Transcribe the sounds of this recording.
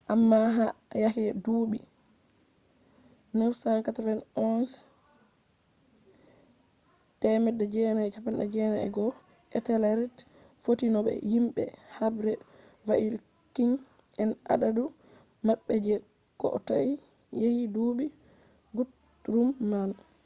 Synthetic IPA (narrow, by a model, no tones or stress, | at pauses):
ʔamːaɦajakiɛduːɓi | nawsaŋkatɾɛnɔns | tɛmɛdad͡ʒɛnaɛt͡ʃapːanɗad͡ʒɛnaɛ̰ɡɔ | ʔɛtɛlaɾit | fotinɔɓɛ̰himɓɛ̰habɾɛ | vaʔil | kiŋ | ɛna̰ɗadu | maɓːɛd͡ʒɛ | kɔ̰ʔɔ̰taʔi | jejiduɓi | ɡut | ɾumːal